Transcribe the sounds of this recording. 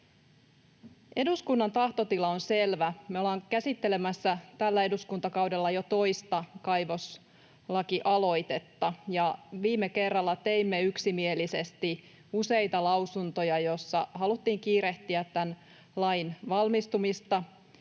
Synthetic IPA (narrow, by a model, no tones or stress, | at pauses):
e̞duskunːɑnt̪ɑht̪o̞t̪ilɑonselʋæmeolɑːŋkæsit̪ːele̞mæsːæt̪ælːæe̞duskunt̪ɑkɑwde̞lːɑjot̪o̞jst̪ɑkɑjʋo̞s | lɑkiʔɑlo̞ijt̪e̞t̪ːɑjɑʋiːmːeke̞rːɑlːɑt̪eimːeyksimie̞lise̞st̪i | use̞jt̪ɑlɑwsunt̪o̞jɑjo̞sːɑɦɑlut̪ːiːŋkiːɾeht̪iæt̪ːæn | lɑjnʋɑlmist̪umist̪ɑ